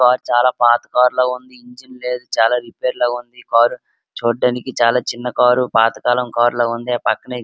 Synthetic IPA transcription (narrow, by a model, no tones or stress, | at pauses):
kaːɾut͡ʃaːlaːpaːt̪ɐkaːɾloːund̪iiɲd͡ʒinle̞ːd̪ut͡ʃaːlaːɾipeːɾloːund̪ikaːɾu | t͡ʃoːɖːɐnikit͡ʃaːlaːt͡ʃinːɐkaːɾupaːt̪ɐkaːlɐmkaːɾloːund̪iaːpɐkːɐnɐ